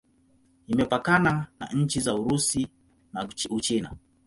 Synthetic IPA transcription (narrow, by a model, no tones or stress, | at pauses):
imɛpakanana̰ɲ̩t͡ʃizauɾusi | naut͡ʃina̰